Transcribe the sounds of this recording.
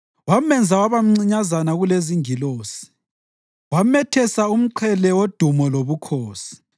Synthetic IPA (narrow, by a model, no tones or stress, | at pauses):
wamɛnd͡zʱawaβam̩ŋ͡ǀiɲazanaɣuleziŋiloːsi̥ | wamɛtʰɛsaum̩ǀʰɛlɛwod̥ʱumɔloβukʰoːsi̥